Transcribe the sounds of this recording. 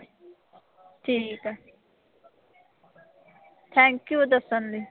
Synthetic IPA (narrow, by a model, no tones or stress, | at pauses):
ʈʰike | t̪ʰɛ̃ŋkjud̪ɐsənli